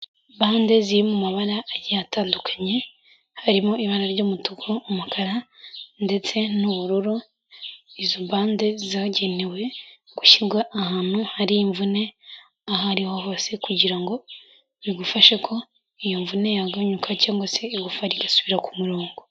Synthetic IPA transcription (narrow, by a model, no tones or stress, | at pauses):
baːnde̞ziɾimumaβaɾaːjataːndukʰḁɲe̞ | haɾimoiβaɾaɾɟoːmutukʰoːmukaɾande̞t͡se̞nuβuɾuɾu | izoβaːnde̞zaɟe̞ne̞we̞ɡ̥uçiɡwaʔahaːn̥huhaɾiːɱvune̞ | aɦaɾiwaɦo̞ːse̞kuɟiɾaŋɡo̞ | βiɡufaʃekʰo̞ | ijoɱvune̞jaɡaɲukʰacaːŋɡwaseiɡufaɾiɡasuβiɾakumuɾoːŋɡo